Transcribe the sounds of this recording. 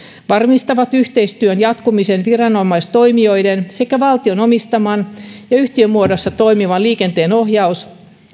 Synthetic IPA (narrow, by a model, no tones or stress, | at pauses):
ʋɑrmist̪ɑʋɑt̪yht̪eist̪yønjɑt̪kumisenʋirɑnomɑist̪oimioijdensekæʋɑlt̪ionomist̪ɑmɑnjɑyht̪iømːuodosːɑt̪oimiʋɑnliːkent̪eːnohjɑus